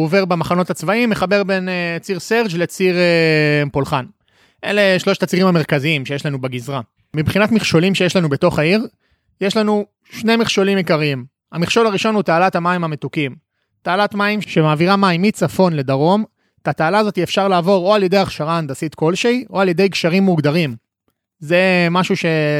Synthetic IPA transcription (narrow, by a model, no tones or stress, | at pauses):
ove̞ʁbemaχano̞t̪at͡svaimːeχabe̞ʁbe̞net͡siʁseʁd͡ʒle̞t͡siʁepolχan | ʔḛle̞ʃlo̞ʃt̪at͡siʁimame̞ʁkaziimʃejeʃlanubeɡizʁa | mibχinatmiχʃo̞limʃe̞jeʃlanube̞t̪o̞χaiʁ | je̞ʃlanu | ʃne̞miχʃo̞limjekaʁiim | amiχʃo̞laʁiʃo̞nhut̪aːlat̪amaimamet̪ukim | t̪aːlat̪maimʃe̞maːviʁamaimːit͡safo̞nle̞d̪aʁo̞m | tat̪aːlaːzo̞t̪iefʃaʁlaːvo̞ʁo̞aljed̪e̞jaχʃaʁaːnd̪asit̪ko̞lʃejʔo̞alje̞d̪ejɡʃaʁimːuɡd̪aʁim | ze̞maʃuʃe̞